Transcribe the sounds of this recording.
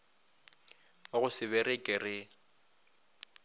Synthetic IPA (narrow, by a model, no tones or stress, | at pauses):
ʊɣʊsɪβɛrɪkʼɪrɪ